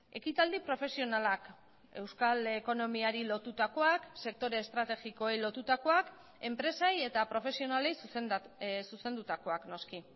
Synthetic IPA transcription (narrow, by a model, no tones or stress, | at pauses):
e̞kit̪ald̪ipɾo̞fe̞sio̞nalak | e̞wskaleko̞no̞miaɾilo̞t̪ut̪ako̞akse̞k̚t̪o̞ɾe̞ːst̪ɾat̪e̞ɣiko̞ejlo̞t̪ut̪ako̞ak | e̞mpɾe̞saje̞t̪apɾo̞fe̞sio̞nale̞js | suse̞nd̪ut̪ako̞akno̞ski